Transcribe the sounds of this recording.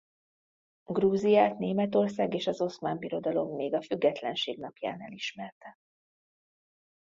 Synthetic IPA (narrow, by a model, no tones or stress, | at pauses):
ɡruːzijaːt̪neːmɛt̪o̞rsaːɡeːʃɒzo̞smaːmbiɾo̞d̪ɒlo̞mːeːɡɒfyɡːɛt̪lɛnʃeːɡnɒpja̰ːnɛ̰liʃmɛrt̪ɛ